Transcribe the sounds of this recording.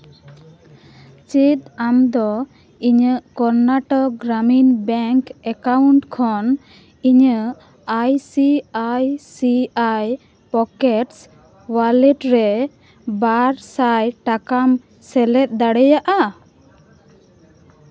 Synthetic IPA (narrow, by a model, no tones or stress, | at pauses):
t͡ʃit̪̚amd̪ɔ | iɲəʔkɔɾnaʈɔk̚ɡɾaminbɛŋkɛkauɳʈkʰɔn | iɲə | ajsiajsiaj | pɔkɛʈs | walɛʈɾɛ | baɾsajʈakam | sɛlɛt̪̚ˀd̪aɽɛjaʔa